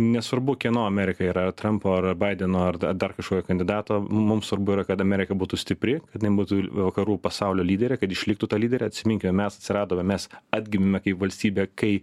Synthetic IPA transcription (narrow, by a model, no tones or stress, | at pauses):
nʲɛsʋɐrɾbʊkʲiɛnoːɐmʲɛɾʲɪkɐiːɾɐt̪ɾɐmpoːɐrbɐɪd̪ʲɛnoːɐrɐd̪ɐrkɐʃkoːkʲokɐnʲd̪ʲɪd̪ɑːt̪oːmʊmsʋɐrbʊiɾɐkɐt̪ɐmʲɛɾʲɪkɐbuːt̪ʊsʲt̪ʲɪpʲɾʲɪkɐt̪ʲɪnɐɪbuːt̪uʋɐkɐɾuːpɐsɑʊlʲoːlʲiːdʲɛɾʲeːkɐt̪ɪʃʲlʲɪk̚t̪ut̪ɑːlʲiːdʲɛɾʲɛːɐt̪ʲsʲɪmʲɪŋʲkʲɪmʲɛmʲɛsɐt̪ʲsʲɪɾɑːd̪oːmʲɛmʲɛsɑːd̪ʲɡʲɪmʲɪmʲɛkɐɪpʋɐlʲsʲt̪ʲiːbʲɛːkɐɪ